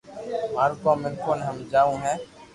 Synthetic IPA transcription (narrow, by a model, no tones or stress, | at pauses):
maːɾkoːmẽːkoːnɦəmd͡ʒaːũɦɛ̃ː